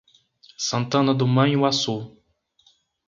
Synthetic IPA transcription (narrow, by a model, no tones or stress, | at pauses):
sɐ̃nt̪ɐ̃nɐd̪ʊmɐ̃j̃wasu